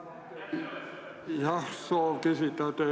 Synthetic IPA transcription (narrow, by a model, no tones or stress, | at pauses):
jɑsoːkisit̪æt̪e